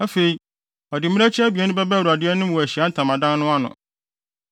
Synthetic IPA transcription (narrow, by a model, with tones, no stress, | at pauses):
æ˦fe˨i˨ | ɔ˨dɪ˨mĩ˦æ˦t͡ɕʰɛ˦æ˦bi˨ɛ˨˦nʊ̃˦bɛ˦bæ˦wɾu˨a˨dɪ˦ɛ˦nʊ̃˦m˦wɔ˨æ˨ɕi˨a˨˦n̩˦tʰã˨mã˨dã˦nnʊ̃˦a˦nʊ̰̃˨